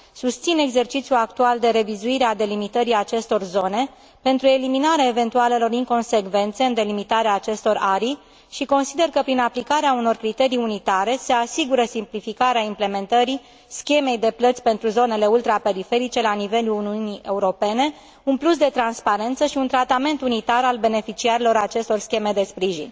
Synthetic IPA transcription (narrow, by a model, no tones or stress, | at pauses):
sust̪sine̞ɡze̞rt͡ʃit̪sʲjuakt̪uald̪e̞ɾe̞vizuiɾead̪e̞limit̪əɾiat͡ʃe̞st̪o̞rzo̞ne̞ | pe̞nt̪ɾue̞liminaɾeaeve̞nt̪uale̞lo̞riŋko̞nse̞kve̞nt̪se̞ɨnd̪e̞limit̪aɾeaːt͡ʃe̞st̪o̞raɾi | ʃiko̞nsid̪e̞rkəpɾinaplikaɾeauno̞rkɾit̪e̞ɾijunit̪aɾe̞se̞asiɡuɾəsimplifikaɾeaimple̞me̞nt̪əɾi | skʲe̞me̞jd̪e̞plət̪sʲpe̞nt̪ɾuzo̞ne̞le̞ult̪ɾape̞ɾife̞ɾit͡ʃe̞lanive̞luluniuniʔe̞uɾo̞pe̞ne̞ | unplus̬d̪e̞t̪ɾanspaɾe̞nt̪səʃiunt̪ɾat̪ame̞nt̪unit̪aɾalbe̞ne̞fit͡ʃiaɾilo̞ɾat͡ʃe̞st̪o̞rskʲe̞me̞d̪e̞spɾiʒḭnʲ